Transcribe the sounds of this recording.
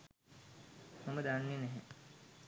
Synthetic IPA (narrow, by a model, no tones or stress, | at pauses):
homəd̪anːenɛɦe